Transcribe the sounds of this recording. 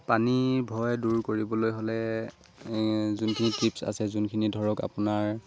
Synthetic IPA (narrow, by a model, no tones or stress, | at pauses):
panibʱɔjduɹkoɹibɔlojɦolɛ | zunkʰinitipsa̰sɛzunkʰinidʱɔɹɔka̰pʊnaɹ